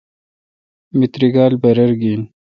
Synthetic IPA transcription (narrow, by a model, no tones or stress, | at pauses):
mit̪ɾiɡaːlbɐɾɐɾɡiːn